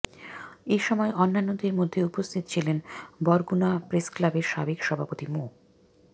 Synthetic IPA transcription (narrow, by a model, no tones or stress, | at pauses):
eʃɔmɔeʔɔnːanːod̪eɾmod̪ʱːeupost̪ʰit̪o̥t͡ɕʰilenbɔɾɡunapɾesklabeɾʃabekʃɔbʱapot̪imo